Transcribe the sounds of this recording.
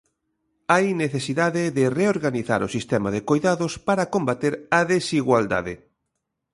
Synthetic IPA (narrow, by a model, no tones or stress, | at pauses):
ajneθesiðaðɪðɪreoɾɣaniθa̰ɾʊsist̪ɛmaðekojðaðʊspaɾakombat̪eɾɐðesiɣwald̪a̰ðɪ